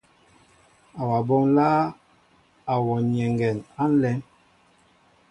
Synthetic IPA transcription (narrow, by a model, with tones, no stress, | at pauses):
a˨wa˨bo˦ŋlaː˦ | a˨wɔ˨ɲɛ˨ŋɡɛ˨na˦n̩˦lɛ˦n